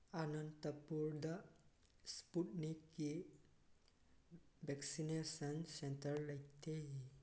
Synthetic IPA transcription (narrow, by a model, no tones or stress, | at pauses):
anənt̪əpuɾd̪a | spuʈnikːi | bɛksinesənsẽntəɾləjt̪eɦi